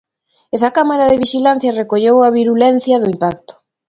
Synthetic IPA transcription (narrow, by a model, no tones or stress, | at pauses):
ɛsɐkamaɾaðeβiʃilan̟θjɐrekoʎowɐβiɾulɛn̟θjɐðʊimpakt̪ʊ̥